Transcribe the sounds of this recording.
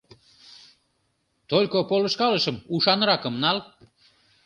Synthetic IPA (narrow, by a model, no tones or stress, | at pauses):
t̪olʲkopoləʃkɑləʃəmuʃɑnɾɑkəmnɑl